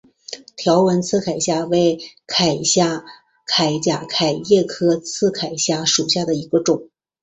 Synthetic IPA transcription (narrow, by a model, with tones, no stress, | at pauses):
t̪ʰjɑ˧˥ʊwə˧˥nt͡sʰɹ̩˥˩kʰa˨˩ɪɕja˥˧we˥˩ɪkʰa˨˩ɪɕja˥˩ | kʰa˨˩ɪt͡ɕja˨˩kʰa˨˩ɪjɛ˥˩kʰɤ˥t͡sʰɹ̩˥˩kʰa˨˩ɪɕja˥˩ʂu˨˩ɕja˥˩d̪ə˩i˧˥ɡə˧ʈ͡ʂʊ˨˩˦